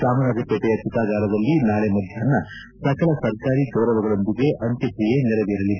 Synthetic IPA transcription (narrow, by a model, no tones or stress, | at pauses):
saːmɐnaɡ̪ɐpːɐt̪ɐjɐt̪ːit̪aːɡaːɾɐd̪ɐlːinaːlemɐd̪ʱjɐɐnːɐ | sɐkɐɭɐsɐɾkaːɾit͡ʃɔːɾɐʋɐɡɐɭond̪iɡeʔɐnt̪ɐkɾijenɛlɐʋeːɾɐlːi